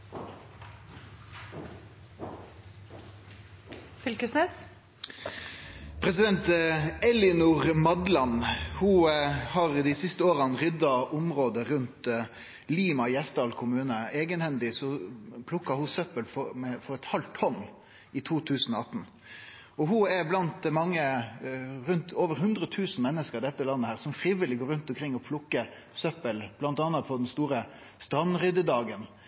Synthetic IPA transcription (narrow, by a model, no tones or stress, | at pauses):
fʏlkəsnes | pʰɾɛsɪd̪ɛnt̪ɛlɪnʊʁmɑd̪lɑnhuːhɑʁd̪ɪsɪst̪əoːʁɑnʁʏd̪ɑʔʊmʁoːd̪əɾʉnt̪ | liːmɑjɛst̪d̪ɑːlkʰʊmʉːnəeːɡənhɛnd̪ɪsɔpʰlʊkːɑhʊsœpəlfɔmɛfɔɾɛt̪hɑlt̪hɔnː | ɪt̪ʰuːt̪ʰʉːsn̩ɔɑt̪n̩ | ɔɦʊɛɾblɑnt̪mɑŋːə | ɾʉnt̪oːʋəɾɦʉnd̪ɾət̪ʰʉːsn̩mɛnːəskəɾɪd̪ɛt̪ːəlɑnːəhæːʁsɔmfɾiːʋɪlɪɡoːɾʉnt̪ɔmkʰɾɪŋːɔpʰlʊkːə | sœpːəlb̥lɑnt̪ɑːnːɑpʰɔd̪ɛnst̪uːɾə | st̪ɾɑnːɾʏd̪əd̪ɑːɡən